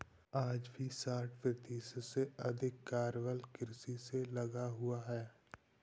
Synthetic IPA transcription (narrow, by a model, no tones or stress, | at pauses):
aːd͡ʒbʱisaːʈʰpɪt̪iːsseɐd̪ʱɪkːaːɾʋəlkɪɾsiselɐɡaɦʊaɦɛː